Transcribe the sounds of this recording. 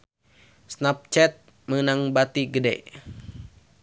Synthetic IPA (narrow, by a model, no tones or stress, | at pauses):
snap̚t͡ʃɛt̪̚ | mənaŋbat̪iɡədɛ̰